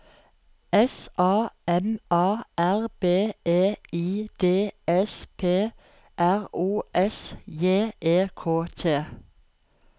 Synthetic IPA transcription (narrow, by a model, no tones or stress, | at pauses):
ɛsʔɑːɛmɑːʔæʁb̥eːeːiːd̪̥eːɛspʰeː | ʔæʁuːʔɛsjeːʔeːkʰoːt̪ʰeː